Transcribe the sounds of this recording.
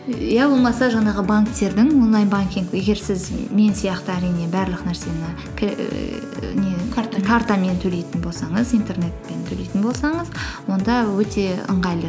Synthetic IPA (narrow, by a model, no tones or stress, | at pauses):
jabo̞lˠmɑsɑʒɑnɑʁəbaŋkt̪e̞ɾd̪ɪŋwo̞nlˠɑjnbaŋkʲiŋkje̞ɡʲe̞ɾsɪzme̞nsijɑqt̪əæɾijne̞bæɾlˠəqnæɾse̞mənɑ | kʲʰ | nekʰaɾt̪ɑme̞nt̪ʰɵle̞jt̪ɪnbo̞lˠsɑɴəzint̪e̞rne̞t̪̚pe̞nt̪ʰɵlejt̪ɪnbo̞lˠsɑɴəzwo̞nd̪ɑwɵt̪ʰe̞ə̰ɴʁɑjlˠə